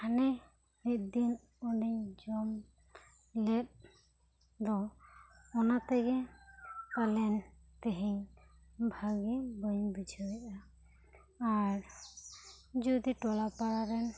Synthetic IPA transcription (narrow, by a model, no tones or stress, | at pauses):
anɛ | hit̪̚d̪in | ɔniɲd͡ʒɔm | lɛt̪̚ | d̪ɔ | ɔnat̪ɛɡɛ | palɛnt̪ɛɦiɲ | bʱaɡibəjɲbid͡ʒʱɔɛʔa | aɾ | d͡ʒud̪iʈɔlapaɽaɾɛn